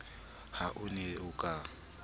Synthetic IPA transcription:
haʔʊnɛʊkʼa

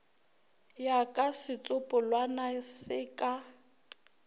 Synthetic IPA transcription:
jakʼasɪt͡sʼʊpʼʊlwanasɪkʼa

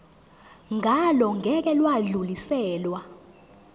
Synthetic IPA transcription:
ŋʱalɔŋʱɛk̬ɛlwaɮulisɛːlwa

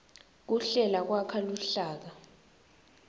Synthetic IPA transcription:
k̬uɬɛlak̬wakʰaluɬaːk̬a

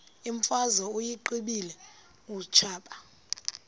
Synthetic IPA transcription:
iɱfazɔujiǃiɓilɛ | ŋut͡ʃʰaːɓʼa

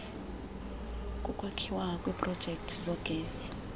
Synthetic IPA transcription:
kʼukʼwakʰiwakʼwiːpʼrɔd̥ʒ̥ʱɛk̚tʰizɔɡ̥ʱeːsi̥

